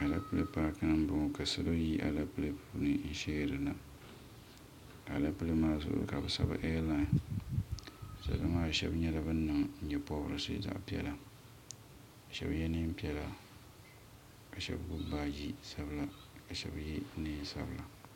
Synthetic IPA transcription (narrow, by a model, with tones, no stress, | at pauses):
a˨la̰˦pɨ˦lɨ˦paː˦kɨ˦nɨ˦m˦bʊ˨ŋ˨ka˨sɨ˦lo˦ji˦ʔa̰˨la˦pɨ˦lɨ˦pɨ˦˨nɨ˨n̩˦ʃeː˦˨ɾɨ˨na˨ | a˨a̰˨la˦pɨ˦lɨ˦maː˦zʊ̰˦ʔʊ̰˦ɾɨ̰˦ka˨bɨ˨sa̰˦ba̰˦ʔɛː˦la˦n˨ | sa̰˦˨˦ɨ˦maː˦˨ʃɛ̰˦bɲɛ˦la˦bɨ˦n˦nɨ˨ŋn̩˦ɲɛ˦pɔ˦bɨ˦ɾɨ˨sɨ̰˦da̰˦ʔpi˦ɛ̰˨la˨ | ka˨ʃɛ̰˦bjɛ˦nɨ˦m˦pi˦ɛ˦la˨ | ka˨ʃɛ̰˦bɡu˦ba˦˨ji˦sa˦bɨ˦la˨ | ka˨ʃɛ̰˦bjɛ˦nɨ˦sa̰˦bla˨